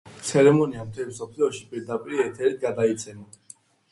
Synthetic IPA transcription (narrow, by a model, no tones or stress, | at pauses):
t̪sʰɛɾɛmɔniamt̪ʰɛvisɔpʰliɔʃipʼiɾd̪apʼiɾiɛt̪ʰɛɾit̪̚ɡad̪ait̪sʰɛmɔ